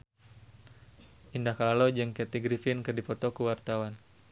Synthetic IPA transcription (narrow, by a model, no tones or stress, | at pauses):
ʔindahkalalod͡ʒɨŋkɛt̪iɡɾifinkərdipɔt̪ɔkuwart̪awan